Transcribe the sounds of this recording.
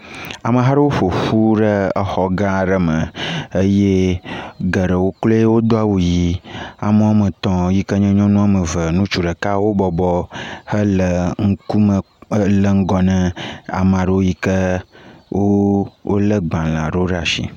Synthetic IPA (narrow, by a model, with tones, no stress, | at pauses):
a˨mə̃˨ɦa˦ɖə˦wo˦ɸo˨ɸu˦ɖə˦ə˦xɔ˨ɡã˦˨ɖə˦mə̃˨ə˦je˦ | ɡə˨ɖə˨wo˦klo˦e˦wo˦d̪o˦a˨wu˨ji˨a˨mə˦wa˦mə̃˨t̪ɔ̃˨ji˦kə˦ɲɛ̃˦ɲɔ̃˦nũ˦a˨mə̃˨və˨nũ˦t͡ʃu˨ɖə˨ka˦wo˦bɔ˨bɔ˦hə˦lə˨ŋ̩˦ku˦mə˨˦ | lə˦ŋ̩˦ɡɔ˨nɛ̃˦a̰˨mə̃˨a˨ɖə˦˨wo˦ji˦kə˦wʔo˦wo̰˦lə˦ɡ͡bã˨l̃ã̰˨ɖə˦o˦ɖa˨ʃḭ˨